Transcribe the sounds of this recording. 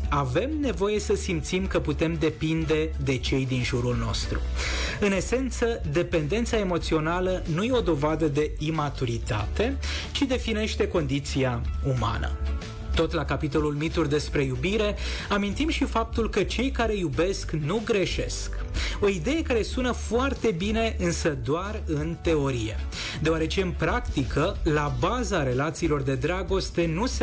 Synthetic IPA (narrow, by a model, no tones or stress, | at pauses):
ave̞mne̞vo̞je̞səsimt̪simkəput̪e̞md̪e̞pind̪e̞ | d̪e̞t͡ʃe̞jd̪inʒuɾulno̞̰st̪ɾṵɨne̞se̞nt̪səd̪e̞pe̞nd̪e̞nt̪sae̞mo̞t̪sio̞nalənuje̞o̞d̪o̞vad̪əd̪e̞imat̪uɾit̪a̰t̪e̞t͡ʃid̪e̞fine̞ʃt̪e̞ko̞nd̪it̪siauma̰nə̰ | t̪o̞t̪lakapit̪o̞lulmit̪urd̪e̞spɾe̞jubiɾe̞amint̪imʃifap̚t̪ulkət͡ʃe̞jkaɾe̞jube̞sknuɡɾe̞ʃe̞sk | o̞id̪e̞je̞kaɾe̞sunəfoart̪e̞bine̞ʔɨnsəd̪oarɨnt̪e̞o̞ɾije̞̰ | d̪e̞oaɾe̞t͡ʃe̞ɨnpɾakt̪ikəlabazaɾe̞lat̪siːlo̞rd̪e̞d̪ɾaɡo̞st̪e̞nus